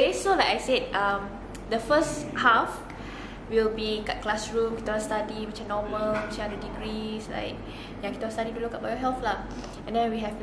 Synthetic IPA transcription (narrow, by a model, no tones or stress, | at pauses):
isolajkajsed̚ʔam | dəfəshaf | wilbikat̚klasɹũmkit̪aast̪adimit͡ʃə̃nɔməlmət͡ʃəadədiɡɹisla̰ɪk̚ | jãŋkit̪aastaditulukabajɔɦɛlθla | ɛ̃ndɛ̃nwiɦɛf